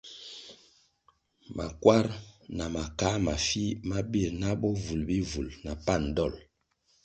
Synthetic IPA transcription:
ma̰˨kwa˦ɾna˨ma˨ka˨˦ma˨fi˦ma˦bi˦e˨na˦ɓɔ˦vu˨lbi˦vu˨lna˨pa˦˨n˨dɔ˦˨l

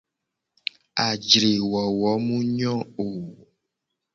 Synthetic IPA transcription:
a˨d͡ʒɾe˨wɔ˨wɔ˨˦mũ˦ɲɔ̃˦o˨

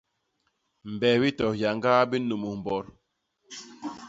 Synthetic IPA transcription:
m̩˨bɛ˨wi˦tɔ˨ja˨ŋɡa˦bi˦nu˨mu˨m˨bɔ˨˦ɾ

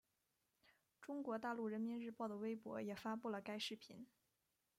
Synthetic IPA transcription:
ʈ͡ʂʊ˥ŋkwɔ˧˥t̪a˥˧lu˥˩ɻə˧˥nmi˧˥nɻɻ̩˥˧pɑ˥˩ʊd̪ə˩we˥ɪpwɔ̰˧˥jɛ˨˩fa˥pu˥˩lə˩ka˥ɪʂɻ̩˥˩pʰḭ˧˥n

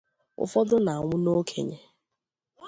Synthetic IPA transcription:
ʊ̰˦fɔ˦dʊ˦na˨a˨ŋʷʊ˦no˦kʰḛ˨ɲe˦

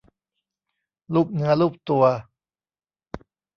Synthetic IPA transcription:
luː˥˩p̚nɯ˧˦˥ɐluː˥˩p̚t̪u˨˩ɐ

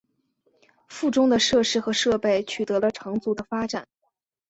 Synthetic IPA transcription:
fu˥˩ʈ͡ʂʊ˥ŋd̪ə˨ʂɤ˥˧ʂɻ̩˥xɤ˧˥ʂɤ˥˧pe˥˩ɪt͡ɕʰy˨˩t̪ɤ˧˥lə˧ʈ͡ʂʰɤ˧˥ŋt͡su˧˥d̪ə˧fa˥ʈ͡ʂa˨˩˦n

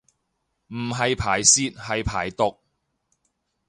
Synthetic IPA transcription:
m̩˨˩ɦɐ˨jpʰaː˨˩jsiː˥t̚hɐ˨jpʰa̰ː˨˩jt̪ʊ˨k̚

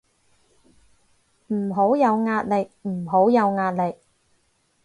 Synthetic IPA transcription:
m̩˨˩ɦo˨˥wjɐ˨˧wŋaː˧t̚lɪ˨k̚m̩˨˩ɦo˨˥wjɐ˨˧wŋaː˧t̚lɪ˨k̚

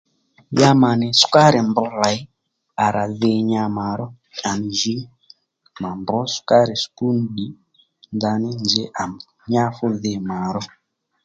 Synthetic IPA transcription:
ja˦ma˨nɛ˨su̥˦ka˦ɾɛ˨mbɔ˦ra˨i˦ | a˨ɾʔa˨ðe˦ɲa˦ma˨ɾɔ˦ | a˨ni˨ʒi˦ | ma˨mbɔ˦ska˦ɾɛ˨sku˦nɗi˨ | nda˨ni˦nd͡ʒɛ˦ʔa˨m˨ɲa˦fu˦ðe˨maː˨ɾɔ˦

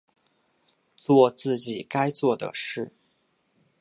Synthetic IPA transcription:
t͡swɔ˥˧t͡sɹ̩˥˩t͡ɕi˨˩ka˥ɪt͡swɔ˥˩d̪ə̰˩ʂɻ̩˥˩

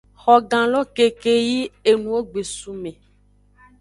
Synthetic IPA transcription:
xɔ˨ɡã˨lɔ˦ke˨ke˨ji˦e˨nũ˨wo˦ɡ͡be˨su˨mẽ˨

